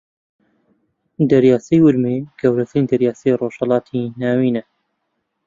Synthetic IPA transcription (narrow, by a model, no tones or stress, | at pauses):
d̪ɐɾjaːsejwʊlmeɡ̥ɐwɾɐsɾiːnd̪ɐɾjaːseroːʃhɛlɑːt̪ʰinaːwiːnɛ